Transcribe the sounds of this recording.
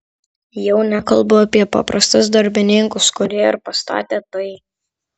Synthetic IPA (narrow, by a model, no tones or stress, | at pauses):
jɛʊnʲɛkɐlˠbʊɐpʲiɛpɑ̰ːpɾɐst̪ʊsd̪ɐɾʲbʲɪnʲɪŋkʊskʊɾʲiɛɪɾpɐst̪ɑ̰ːt̪ʲeːt̪ɐɪ